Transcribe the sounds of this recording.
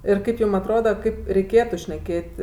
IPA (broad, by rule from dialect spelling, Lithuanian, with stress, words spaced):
ɪr ˈkɐɪp ˈjuːm ɐtˈroːdɐ ˈkɐɪp rʲɛɪˈkʲeːtʊ ʃʲnʲɛˈkʲeːtʲ